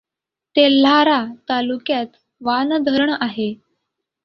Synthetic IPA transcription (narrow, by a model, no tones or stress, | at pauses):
t̪el̤aɾat̪alukjat̪ | ʋand̪ʱəɾɳaɦe